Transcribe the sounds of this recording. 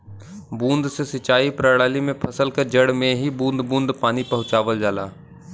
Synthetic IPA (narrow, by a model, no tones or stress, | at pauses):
bũːnd̪sesɪt͡ʃaːipɾəɽaːlimẽpʰɐsəlkəd͡ʒəɽmẽɦibũːnd̪bũːnd̪paːnipɐɦʊ̃t͡ʃaːʋəld͡ʒaːla̰ː